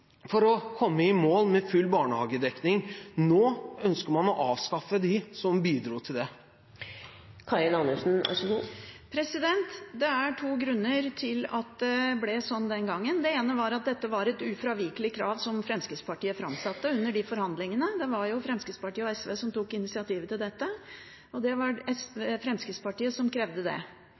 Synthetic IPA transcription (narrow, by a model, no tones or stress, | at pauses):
fɔɾɔkʰɔmːəɪmoːlmɛfʉlːbɑːɳəhɑːɡəd̪ɛknɪŋnoːœnskəɾmɑnɔʔɑːʋskɑfəd̪ɪsɔmbiːd̪ɾuːt̪ʰɪld̪ɛ | kʰɑɾɪnɑnʉʂn̩ɑ̰ʂɡupʰɾɛsɪd̪ɛnt̪d̪ɛæʈʰuːɡɾʉnːəɾt̪ʰɪlɑ̰t̪̚d̪ɛblɛsɔnːd̪ɛnɡɑŋːənd̪ɛeːnəʋɑɾɑt̪̚d̪ɛt̪ːəʋɑɾɛt̪ʉfɾɑʋɪkəlɪkʰɾɑːʋsɔmfɾɛmskəspɑʈiːəfɾɑmsɑt̪ːəʉnːəɖɪfɔɾhɑnd̪lɪŋənəd̪ɛʋɑɾjʊfɾɛmskəspɑʈiːəɔɛsʋesɔmt̪uːkɪnɪsɪɑt̪ʰiːʋət̪ɪld̪ɛt̪ːə | ɔd̪ɛʋɑɛsefɾɛmskəspɑʈiːəsɔmkʰɾɛʋd̪əd̪ɛ̰